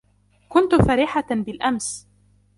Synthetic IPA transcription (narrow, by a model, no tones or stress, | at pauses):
kʊnt̪ʊfaɾiːħabɪlʔams